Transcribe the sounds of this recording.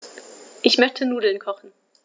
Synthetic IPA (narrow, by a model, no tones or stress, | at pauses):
ʔɪçmœçtʰənuːdl̩nkʰɔχn̩